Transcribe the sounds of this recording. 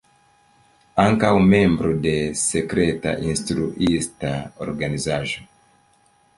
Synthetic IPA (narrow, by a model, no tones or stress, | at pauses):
aŋkawmẽmbɾodesekɾeta̰ʔĩnst̪ɾuʔistao̰ɾɡanizaʒo